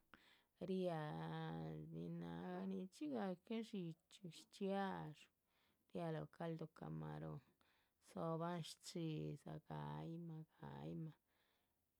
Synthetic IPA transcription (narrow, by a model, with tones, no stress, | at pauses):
ɾija˧ | ni˧na˧˨ɡa˧ni˧t͡ʃi˦ɡa˧ke˦ʂi˧t͡ʃu˧ʃt͡ʃja˦ʂ | ɾja˧lo˨ka˦ld̪o˧ka̰˨ma˨ɾo˨ | so˧ba˦nʃt͡ʃi˧za̰˨ɡa˨jma˧ɡ̥a̰˨jma˧